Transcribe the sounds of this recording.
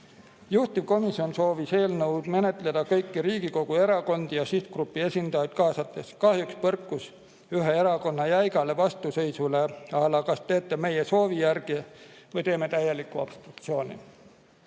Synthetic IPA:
juht̪ivko̞misio̞nso̞ːvise̞ːlnɤwd̪̥me̞ne̞t̪ˑled̪̥ɑkɤjkːiɾiːɡ̥iko̞ɡ̥ue̞ɾɑko̞nd̪ijɑsit̪̚krupːˑie̞sʲind̪̥ɑjɑd̪̥kɑːsɑt̪ːˑe̞skɑhjukspɤrkːˑus | yɦee̞ɾɑko̞nːɑjæjɡɑle̞vɑst̪use̞jsule̞ɑlɑkɑst̪e̞ːt̪ːˑe̞me̞jeso̞ːvijærɡ̥ivɤjt̪e̞ːme̞t̪æjːelikːˑuɑ̰pst̪ɾuk̚t̪sio̞ːnʲḭ

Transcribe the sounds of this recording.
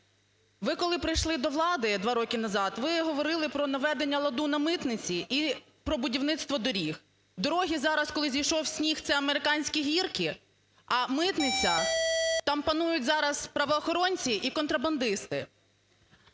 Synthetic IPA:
ʋɪkɔlˠɪpɾɪjʃlˠɪd̪ɔʋlˠɑd̪ɪd̪ʋɑɾɔkʲɪnɐzɑt̪ʋɪɦɔʋɔɾɪlˠɪpɾɔnɐʋɛd̪enʲːɐlˠɐd̪unɐmɪt̪nɪt͡sʲiʔi | pɾɔbʊdʲiwnɪt̪st̪ʋɔd̪ɔɾʲix | d̪ɔɾɔɦʲizɑɾɐskɔlˠɪzʲijʃɔwsʲnʲixt̪sɛɐmeɾɪkɑnʲsʲkʲiɦʲirkɪ | ɐmɪt̪nɪt͡sʲɐt̪ɑmpɐnujʊtʲzɑɾɐz̥pɾɐʋɔːxɔɾɔnʲt͡sʲiʔikɔnt̪ɾɐbɐnd̪ɪst̪ɪ

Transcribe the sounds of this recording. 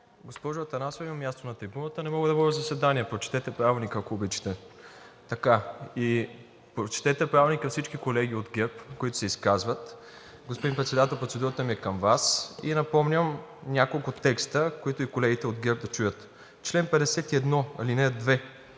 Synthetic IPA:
ɡospɔʒʊɐt̪ɐnasoimɐmʲːjast̪onɐt̪ɾibunət̪ənɛmɔɡəd̪ɐbəd̪ʲəzɐsɛd̪aniɛpɾot͡ʃi̥t̪ɛt̪ɛpɾavɛlˠnikəɐkoːbit͡ʃi̥t̪ɛ | t̪ɐkai | pɾot͡ʃi̥t̪ɛt̪ɛpɾavʲɛlˠnikəfsit͡ʃkikolɛɡ̟iod̪ɡʲɛɾpkoit̪ʊ̥sɛiskazvət̪ | ɡospod̪inpɾɛt̪sɛd̪at̪ɛlˠpɾot̪sɛd̪uɾət̪əmiɛkɐmvasinɐpɔmnʲəmnʲakolˠkʊt̪ɛkst̪əkoit̪ʊikolɛɡit̪ɛod̪ɡʲɛɾp̚d̪ɐt͡ʃujət̪ | t͡ʃlɛnpɛd̪ɛsɛt̪iɛd̪nɔɐlinɛd̪vɛ

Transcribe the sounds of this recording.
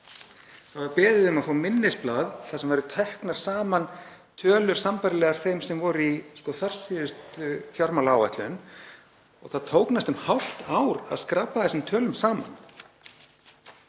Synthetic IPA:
havaɾpɛːðɪðʏmaðfaːmɪnːɪsplaːðθasɛmvɛɾʏt̪ʰɛhknaɾ̥saːmant̪ʰœːlʏɾ̥sampaɾɪlɛɣaɾ̥θejmsɛmvɔɾiskɔθar̥siðʏst̪fjɔɾmalaːwɛht̪lʏn | ɔ̰ɣθaðt̪ʰoːwknast̪ʏmhawl̥t̪aːwɾa̰ðskɾapːaθɛsʏmt̪ʰœːlʏmsaːma̰n

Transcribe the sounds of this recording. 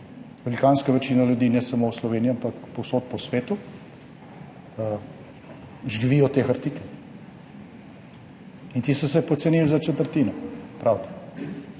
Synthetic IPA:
ʋɛlikanskaʋɛt͡ʃiːnaljud̪iːnɛsamowslɔʋeːnijɔampakpowsot̪̚pɔsʋeːt̪u | ʒɡʋijɔt̪exaɾt̪iːkɛ | int̪isɔs̬ɛpɔt̪sɛnilzat͡ʃɛt̪əɾt̪iːnɔpɾʔawt̪ḁ

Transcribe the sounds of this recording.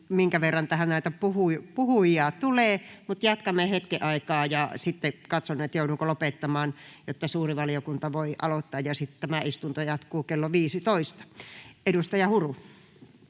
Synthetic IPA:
miŋkæʋerːɑnt̪æhænnæˑit̪æpuhupuhujɑt̪uleːmut̪jɑt̪kɑmːˑehet̪kiʔɑikɑːjɑsit̪ːekɑt̪sonːet̪jouduːkolopet̪ːɑmɑːnjot̪ːɑsuːriʋɑliokunt̪ɑʋoiʔɑlot̪ːɑːjjɑsit̪t̪æmæist̪unt̪ojɑt̪kuːkelːoʋiːsit̪oist̪ɑ̥edust̪ɑjɑhuru

